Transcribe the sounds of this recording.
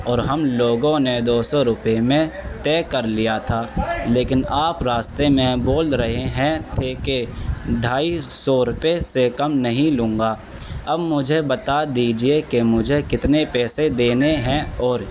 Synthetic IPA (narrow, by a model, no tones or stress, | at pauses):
ɔːɾɦɐmloːɡõned̪oːsɔɾʊpemẽt̪ɛːkɐɾlijat̪ʰaːleːkɪnaːpɾaːst̪emẽboːlɾəɦeɦɛ̃t̪ʰeːkeɖʱaːisɔɾʊpesekɐmnɐɦĩlʊ̃ːŋɡaː | ɐbmʊd͡ʒʱebɐt̪ad̪iːd͡ʒiekemʊd͡ʒʱekɪt̪nepɛːsed̪eːneɦɛ̃ɔːɾ